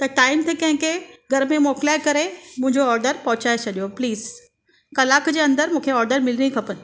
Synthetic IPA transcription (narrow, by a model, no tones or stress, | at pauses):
t̪ɐʈaːɪmt̪ʰekɐ̃ɦɪ̃ŋkʰeɡʱɐɾmẽmɔːklaːekɐɾemʊ̃ɦɪ̃ɲd͡ʑoɔːɾɖəɾpɐɦʊt͡ɕaːet͡ɕʰɐɗijopliːz | kɐlaːkd͡ʑeːɐ̃nd̪əɾmũːkʰeɔːɾɖəɾmɪlnĩkʰɐpənɪ̆